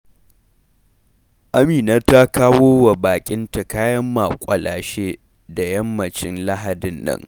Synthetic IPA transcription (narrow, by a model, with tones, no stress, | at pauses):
ʔa˦miː˨na˦ta˦kaː˦woː˦wa˨baː˨kʲʼɪ˦nta˨kaː˦jɐ˦mːa˨kʷʼɐ˨lʔaː˨ʃeː˦ | da˨jɐ˦mːɐ˨t͡ʃɪ˦nla˦ɦa˨dɪ˨nːɐ̰˦ŋ